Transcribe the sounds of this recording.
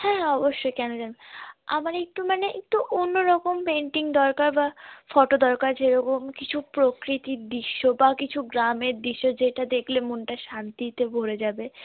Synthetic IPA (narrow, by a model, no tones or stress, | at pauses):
hɛ̃ɔboʃːojkɛnod͡ʑabea̰maɾek̚ʈumaneʔek̚ʈuʔonːoɾɔkompeɳʈiŋd̪ɔɾkaɾbafɔʈod̪ɔɾkaɾd͡ʑeɾɔkomkit͡ɕʰupɾokɾit̪iɾd̪iʃːobakit͡ɕʰuɡɾameɾd̪iʃːod͡ʑeʈad̪ekʰlemonʈaʃant̪it̪ebʱoɾed͡ʑabe